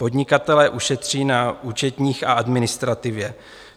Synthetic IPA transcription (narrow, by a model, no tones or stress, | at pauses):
po̞dɲɪkat̪ɛlɛːʔuʃɛt̪r̝̥iːnauːt͡ʃɛt̪ɲiːxaʔadmɪnɪst̪ɾat̪ɪvjɛ